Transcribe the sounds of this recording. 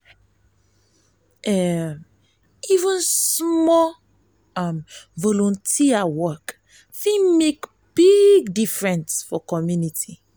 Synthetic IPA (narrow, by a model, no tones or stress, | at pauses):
ɛm | ivə̃nsmɔ | amvɔlɔ̃ntʰiawɔk | fĩmek | b̥iɡdifɹɛ̃ntfɔkɔmjunitʰi